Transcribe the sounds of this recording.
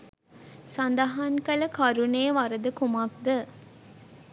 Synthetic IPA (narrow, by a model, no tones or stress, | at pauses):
sɐnd̪ɐɦankɐlɐkɐɾuneːʋɐɾəd̪əkumɐk̚d̪ə